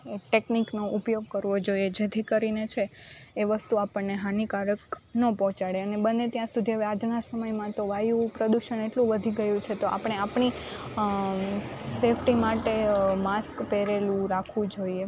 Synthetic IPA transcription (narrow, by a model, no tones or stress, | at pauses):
eʈekniknoʔupjoɡ̚kəɾʋod͡ʒoied͡ʒet̪ʰikəɾinet͡ʃʰeːʋəst̪uapəɳneɦanikaɾəknəpɔ̃t͡ʃaɽeənebənːet̪jãsud̪ʱiɦəʋead͡ʒnasəməjmãt̪oʋajũpɾəd̪uʃəneʈlũʋəd̪ʱiɡəjũt͡ʃʰet̪oʔa̰pɳ̃eapɳi | sefʰʈimaʈemaskpeɾelũɾakʰʋũd͡ʒoie